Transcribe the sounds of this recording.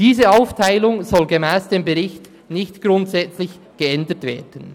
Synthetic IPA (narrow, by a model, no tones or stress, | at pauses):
d̥iːzəaʊftʰaɪlʊŋzɔlɡəmɛːsd̥eːmbəʁɪçt | nɪçtɡ̥ɾʊntsɛt͡slɪç | ɡ̥əɛndətv̥ḛːd̥ən̩